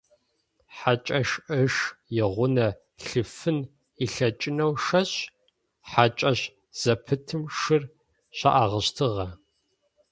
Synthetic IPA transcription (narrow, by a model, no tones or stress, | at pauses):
ħat͡ʃʼɐʃʔɨʂjɪʁʷʊnɐ | ɬɨfɨn | iɬɐt͡ʃʼɪnɐwʂɐɕ | ħat͡ʃʼɐɕ | z̥ɐpʰɨtʰɨmʂɨr | ɕa̰ʔaːʁəɕtʰɨʁɐ